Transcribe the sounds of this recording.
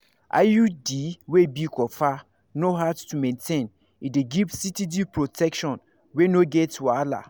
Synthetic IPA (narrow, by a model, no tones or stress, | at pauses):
ʔa̰judiwebikɔfa | noɦadtumẽntʰẽn | ideɡivsitidipɹotʰɛkʃɔ̃n | wenoɡɛtwala̰